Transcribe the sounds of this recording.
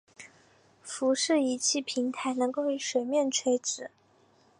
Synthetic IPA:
fu˧˥ʂɻ̩˥˩i˧˥t͡ɕʰi˥˩pʰi˧˥ŋt̪ʰa˧˥ɪnɤ˧˥ŋko˥˩ʊi˧˥ʂwe˨˩ɪmjɛ˥˩nʈ͡ʂʰwe˧˥ɪʈ͡ʂɻ̩˨˩˦

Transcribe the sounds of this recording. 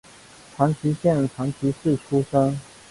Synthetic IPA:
tʰɑ˧˥ŋt͡ɕʰi˧˥ɕjɛ˥˩n˩ʈ͡ʂʰa˧˥ŋt͡ɕʰi˧˥ʂɻ̩˥˩ʈ͡ʂʰu˥ʂɤ˥ŋ

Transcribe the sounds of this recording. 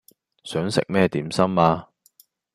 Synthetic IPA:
sœː˨˥ŋsɪ̰˨k̚mɛː˥t̪iː˨˥msɐ˥maː˧

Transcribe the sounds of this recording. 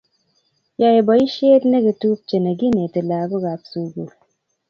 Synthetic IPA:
jɔ˦je˨bɔ˨i˦ʃe˦tne˦ki˨tu˦p̚t͡ʃe˨ne˨ɡi˦ne˨ti˨la˨bo˦ɡa˨p̚su˨ɡu˨l

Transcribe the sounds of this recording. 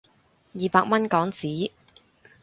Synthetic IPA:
jiː˨paː˧k̚mɐ˥nkɔː˨˥ŋt͡siː˨˥

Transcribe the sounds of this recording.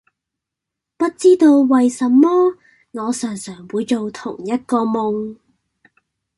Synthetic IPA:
pɐ˥t̚t͡siː˥t̪o˧wwɐ˨jsɐ˨˧mːɔː˥ | ŋɔː˨˧sœː˨˩ŋsœː˨˩ŋwuː˨˧jt͡so˨wt̪ʰʊ˨˩ŋjɐ˥t̚kɔː˧mʊ˨˧ŋ

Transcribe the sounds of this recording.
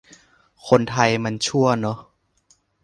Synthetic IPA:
kʰo˧nt̪ʰa˧jma˧˥nt͡ɕʰu˥˩ɐnɔ˦˥

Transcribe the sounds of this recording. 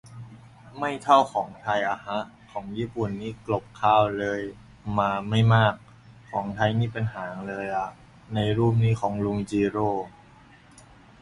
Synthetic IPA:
ma˥˩jt̪ʰa˥˩wkʰɔː˩˦ŋt̪ʰa˧jʔa˧˩ha˦˥ʔ | kʰɔː˩˦ŋjiː˥˩pu˨˩nːiː˦˥˩klo˨˩p̚kʰaː˧˥˩wlɤː˧j | maː˧ma˥˩jmaː˥˩k̚ʰː | ɔː˩˦ŋt̪ʰa˧jniː˥˩pe˧nɦaː˩˦ŋlɤː˧jʔa˨˩ʔ | na˧jɾuː˥˩p̚niː˦˥˩kʰɔː˩˦ŋlu˧mt͡ɕiː˧ɾoː˥˩

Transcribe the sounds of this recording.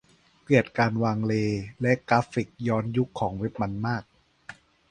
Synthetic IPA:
pɯ˨˩ət̪̚kaː˧nwaː˧ŋleː˧lɛ˦˥ʔklaː˦˥fi˨˩k̚jɔː˦˥nju˦˥kʰːɔː˩˦ŋwe˦˥p̚ma˧nmaː˥˩k̚

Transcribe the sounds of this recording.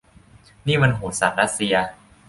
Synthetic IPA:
niː˥˩ma˧nɦoː˩sa˨˩ɾa˦˥t̪̚si˧ɐ

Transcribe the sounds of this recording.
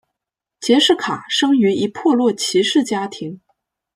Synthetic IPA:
t͡ɕjɛ˧˥ʂɻ̩˥˩kʰa˨˩ʂɤ˥ŋy˧˥i˧˥pʰwɔ˥˧lwɔ˥˩t͡ɕʰi˧˥ʂɻ̩˥˩t͡ɕja˥t̪ʰi˧˥ŋ

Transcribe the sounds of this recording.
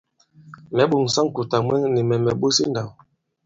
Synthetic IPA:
mɛ˨˦ɓo˨ŋ˨sa˦ŋ˨ku˨ta˨mwɛ˦ni˨mɛ˨mɛ˨ɓo˦si˦nda˨w

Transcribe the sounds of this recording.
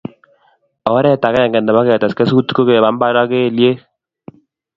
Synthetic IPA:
ɔ˨˦ɾɛ˦˨ta˨kɛ˦ja˨ŋɡɛ˨ndɛ˨ma˦ke˦˨ta˨ske˦su˦tko˦ke˨βa˦mba˦ɾa˦ke˦˨lje˦

